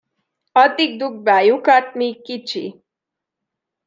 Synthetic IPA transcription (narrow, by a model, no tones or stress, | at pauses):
ʌt̪ik̚d̪uk̚bajukaʈ̚mikit͡ɕʰḭ